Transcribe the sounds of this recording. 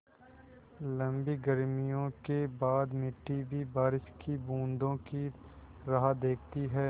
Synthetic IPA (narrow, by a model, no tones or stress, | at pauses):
lɐ̃mbiɡəɾmijõkebaːd̪mɪʈːibʱibaːɾɪʃkibũːnd̪õki | ɾɐɦad̪eːkʰt̪iɦɛː